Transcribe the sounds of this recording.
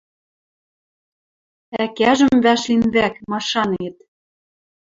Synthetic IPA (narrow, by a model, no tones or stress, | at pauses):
ækæʒə̆mβæʃlinβækmɑʃɑnet̪̚